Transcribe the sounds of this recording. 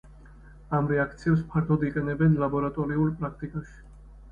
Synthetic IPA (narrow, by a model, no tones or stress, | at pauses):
amɾɛakʰt̪sʰiɛbspʰaɾt̪ʰɔd̪iqʼɛnɛbɛnlabɔɾat̪ʼɔɾiulˠpʼɾakʰt̪ʼikʼaʃi̥